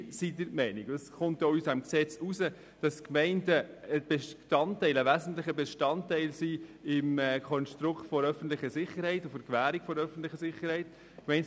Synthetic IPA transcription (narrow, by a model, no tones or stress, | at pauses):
sidəɾmɛɪniɡɑsχʊntjoysamksɛt͡susə | d̥ɑskmɛɪndəəb̥eʃtɑntːɛɪləʋæzən̩tlɪχəbɛʃtɑntɛɪlsiɪmɛkʰɔnʃtɾʊkχtfɔɾœfən̩t̪lɪχəsɪχːəɾhɛɪtʊfəɾkʋæːɾikfɔɾœfn̩tlɪχəsɪχːəɾhɛɪt | mɛɪn